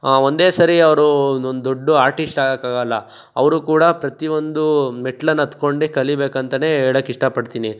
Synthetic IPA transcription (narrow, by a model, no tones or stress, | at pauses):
ond̪e̞ːsɐɾiɐʋɾuond̪oɖːuaːɾʈisʈaːɡekaːɡɐlːɐ | ɐ̰ʋɐɾukuːɽɐpɾɐt̪iʋo̞nd̪umeʈlɐnːɐt̪ko̞ɳɖikɐlibe̞ːkɐnt̪ɐne̞ːɦeːɭɐːkːiʂʈɐpɐɽt̪iːni